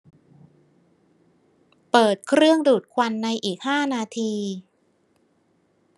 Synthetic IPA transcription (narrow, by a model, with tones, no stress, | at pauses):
pɤː˨˩t̪̚kʰɾɯ˥˩əŋduː˨˩t̪̚kʰwa˧nːa˧jʔiː˨˩k̚haː˥˩naː˧t̪ʰiː˧